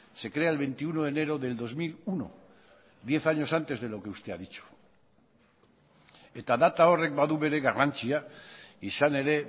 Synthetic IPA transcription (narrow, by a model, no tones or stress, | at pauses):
se̞kɾe̞aelβe̞jnt̪iunoene̞ɾo̞ðe̞ld̪o̞zmiluno̰ | ðje̞θaɲo̞sant̪e̞zðe̞lo̞ke̞ust̪e̞aðit͡ʃu̥ | e̞t̪aðat̪ao̞re̞k̚baðuβe̞ɾe̞ɣarant͡siaisane̞ɾe̞